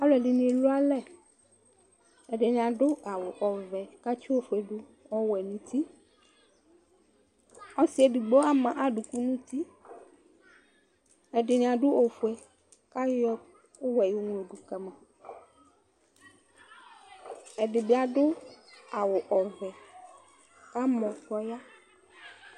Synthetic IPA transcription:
a˦lo˨ɛ˨ɖi˨nĩ˦e˨lo˦a˦lɛ˦ | ɛ˨ɖe˨ɲ̃˨ã˨ɖo˦a˨wo˨ʔɔ˨vɛ˨ka˦t͡ʃi˦o˦fɛ˨ɖu˦ | ɔ˦wɛ˨nĩ˨t̪i˦ | ɔ˦si˦ɛ˨di˨ɡ͡bɔ˦a˦mã˨ʔa˦ɖu˨ku˦nũ˦t̪i˦ | ɛ˨ɖɪ˨ɲ̃˨ã˨ɖo˦o˨fu˨ɛ˨ | ka˦jɔ˦ | o˦wɛ˨jo˦ŋ˦lo˨ɖu˨kɛ˨mã˨ | ɛ˨ɖɪ˨be˦a˨ɖo˦a˨wo˨ʔɔ˨vɛ˨ | ka˦mɔ̃˨kɔ˦ja˦

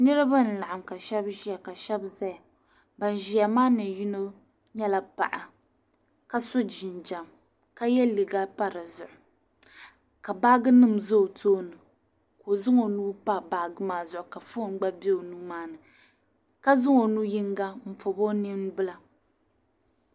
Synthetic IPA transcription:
nɨ˦ɾɨ˦ba˦n̩˨la˨ʔa˨mka˨ʃɛ˦bʒi˦a˨ka˨ʃɛ˦bzɛ˦a˨ | ba˨n˨ʒi˨ja˨maː˦nɨ˨ji˦no˦ | ɲɛ˦la˦pa̰˨ʔa˨ | ka˦so˦d͡ʒɪ˨nd͡ʒa˨m | ka˦jɛ˦lɨ˨ɡa˦pa˦ɾɨ˨zʊ˨ʔʊ˨ | ka˨ba˦ɡɨ˦nɨ˦m˨zo˦˨tʰoː˦nɨ˨ | ko˨zɨ˦ŋo˨nuː˦pa˦ba˨ɡɨ˦maː˦zʊ˨ʔʊ˨ka˨fo˦n˦ɡ͡ba˦bɛ˦o˨nuː˦maː˦nɨ˨ | ka˦zɨ˦ŋo˨nu˦ji˦ŋɡa˦m̩˦po˨bo˦ni˦n˦bɨ˦la˨

